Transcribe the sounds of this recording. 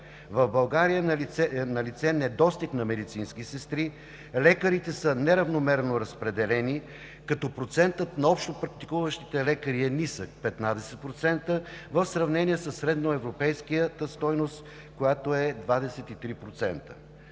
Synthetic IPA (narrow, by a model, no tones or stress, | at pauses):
vɐvbɐlˠɡaɾijəɛnɐlit̪sɛnɛd̪ɔst̪iknɐmɛd̪it̪sinskisɛst̪ɾi | lɛkəɾit̪ɛsənɛɾɐvnomɛɾnoɾɐspɾɛd̪ɛlɛni | kɐt̪ɔpɾot̪sɛnt̪ət̪nɐɔpʃt̪opɾɐk̚t̪i̥kuvəʃt̪it̪ɛlɛkəɾiɛnisək̚pɛt̪nad̪ɛsɛt̪̚pɾot̪sɛnt̪əvəfsɾɐvnɛniɛsəsːɾɛd̪noɛvɾopɛjskijət̪əst̪ɔjnost̪ | kojat̪oɛd̪vad̪ɛsɛt̪it̪ɾipɾot̪sɛnt̪ə̥